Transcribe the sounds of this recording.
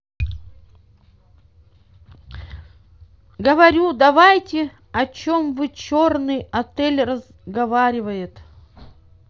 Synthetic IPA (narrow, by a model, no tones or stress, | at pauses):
ɡəvɐɾʲud̪ɐvajtʲɪ | ɐt͡ɕomvɨt͡ɕornɨjɐt̪ɛlʲrəz | ɡɐvaɾʲɪvəjɪt̪